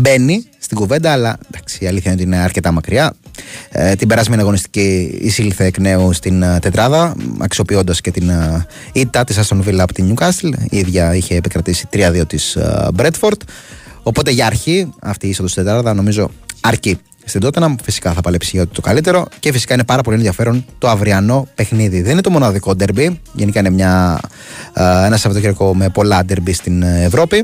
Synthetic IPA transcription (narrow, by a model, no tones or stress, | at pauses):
be̞nist̪iɡuve̞nd̪ɐːlɐnd̪ɐksiɐliθçɐinot̪iineɐɾce̞t̪ɐmɐkɾiɐ | t̪ibe̞ɾɐzmiɐnɐɣo̞nist̪i̥ciḭsilθeːkne̞ust̪int̪e̞t̪ɾɐðɐɐ̰ksio̞pio̞nd̪ɐscet̪in | it̪ːɐt̪isɐst̪o̞nvilɐːpot̪iɲukɐst̪eliðʝɐiçe̞ːpikɾɐt̪isi̥t̪ɾiɐðio̞t̪isbɾe̞t̪fo̞ɾt̪o̞po̞t̪eʝɐːɾçiɐft̪iisɐnd̪osd̪et̪ɾɐðɐno̞mizo̞ɐɾci | st̪id̪o̞t̪enɐmfisi̥kɐθɐpɐlepsiʝɐot̪et̪o̞kɐlit̪e̞ɾoce̞fisi̥kɐinepɐɾɐpo̞lie̞nðʝɐfe̞ɾo̞nt̪o̞ɐvɾiɐno̞pe̞xniðiðninet̪o̞mo̞nɐðiko̞d̪eɾbiʝenikɐinemɲɐ | e̞nɐsɐvot̪oceɾiko̞mepo̞lɐd̪eɾbist̪inevɾo̞pi